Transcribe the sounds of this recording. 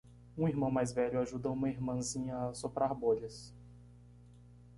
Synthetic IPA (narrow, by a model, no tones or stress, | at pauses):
ũiɾmɐ̃w̃majzvɛʎʊaʒud̪ɐũmɐiɾmɐ̃zĩɲɐːsopɾʔaɾboʎɪs